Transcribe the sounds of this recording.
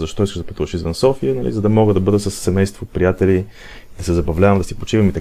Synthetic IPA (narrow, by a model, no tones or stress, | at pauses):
zɐʃt̪ɔiskəʒzd̪ɐpə̥t̪uvəʃizvənsɔfiənɐlḭzɐd̪ɐmɔɡəd̪ɐbɤd̪ət̪səsːɛmɛjst̪vopɾijat̪ɛli | d̪̥ɐsɛzɐbɐvlʲavəmd̪ɐsipot͡ʃivəmit̪ɐ